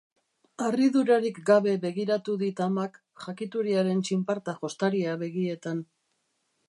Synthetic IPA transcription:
ariðuɾaɾikɡaβe̞βe̞ɣiɾat̪uðit̪amak | ʝakit̪uɾiaɾe̞nt͡ʃimpaɾt̪aʝo̞st̪aɾiaβe̞ɣ̞ie̞t̪an

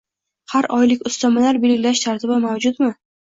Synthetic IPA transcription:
haɾɒjlɪkʲʊst̪ʰamalaɾbelkʲlaʃt̪ʰaɾt̪ʰɪbɪmawd͡ʒʊt̪mɪ

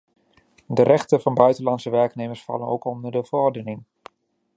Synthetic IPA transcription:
dərɛχtəvɑnbœɥtəlɑnsəʋɛɹkneməsfɑ̰ləno̰wkɔndərdəvəɔrdənɪŋ

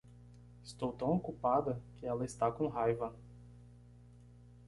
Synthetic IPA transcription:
ɪst̪owt̪ɐ̃w̃okupad̪ɐkɪɛlɐɪst̪akõɦajvɐ

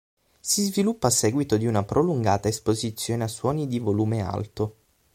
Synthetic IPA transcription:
sizvilupːaːsɛːɡwit̪od̪iunapɾʔoluŋɡaːt̪aespozit̪sːjoːneasːwɔːnid̪ivoluːmea̰lt̪o

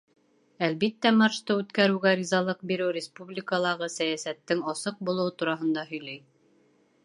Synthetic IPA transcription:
ælbit̪ːæmɑɾʃt̪ɤʉt̪kæɾɘ̆wɡæɾʲizɑlˠɤq̚biɾɘwɾʲɪspublʲikəlˠɑʁɤsæjæsæt̪ːɘŋɑsɤq̚bulˠɤ̆wɤt̪uɾɑɦɤ̆nd̪ɑɦɵ̆jlæj

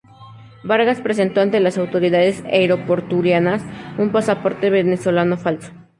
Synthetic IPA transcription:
baɾɣaspɾe̞s̬e̞nt̪oant̪e̞lasawt̪o̞ɾiðað̞esejɾo̞po̞ɾt̪uljanasumpasapo̞ɾt̪e̞βe̞neswo̞lano̞falso̥

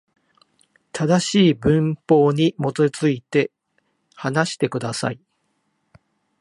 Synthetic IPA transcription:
t̪ʰad̪aɕiːbɯ̟̃mpo̞ːɲ̟imo̞t̪ot͡sɨit̪e̞ | hanaɕi̥t̪e̞kɯ̟d̪asa̰i

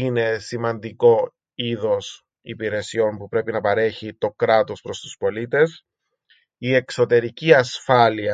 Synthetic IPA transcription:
ine̞simɐnd̪iko̞ | iðo̞s | ipiɾe̞sio̞mpupɾe̞pinɐpɐɾe̞çit̪o̞kɾɐt̪o̞spɾo̞st̪u̥spo̞lit̪e̞s | ie̞kso̞t̪e̞ɾiciɐsfɐliɐ

